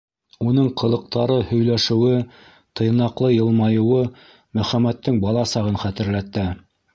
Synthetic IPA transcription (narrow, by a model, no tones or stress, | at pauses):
unɤɴqʰɤ̆lˠɤ̆q̚t̪ɑɾɤhɵ̆jlæʃɘ̆wɘ | t̪ʰɤ̆j̆nɑqlˠɤjɤ̆lˠmɑjɤ̆wɤ | mɵ̆χæmːæt̪ːɘŋbɑlˠɑsɑʁɤnχæt̪ɘ̆ɾlæt̪ːæ